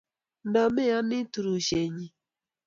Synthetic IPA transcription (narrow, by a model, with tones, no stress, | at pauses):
na˨me˦a˦nɪ˦tu˨ɾu˨ʃe˨ɲi˨